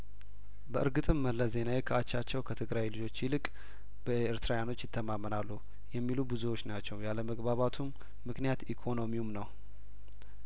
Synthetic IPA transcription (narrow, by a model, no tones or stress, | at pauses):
bəʔɨɾɡɨt̪ʼɨmːəlːəze̞najkʰəat͡ʃːat͡ʃːɛwkʰət̪ʰɨɡɾajlɨd͡ʒo̞t͡ʃːjilɨkʼ | b̥əɨɾt̪ɨɾajano̞t͡ʃːjɪt̪ʰːəmamːənalːu | jɛmːilubɨzuwo̞t͡ʃːnat͡ʃːɛwjaləməɡbaβat̪ʰumː | ɨknijat̪ikʰo̞no̞miumnəw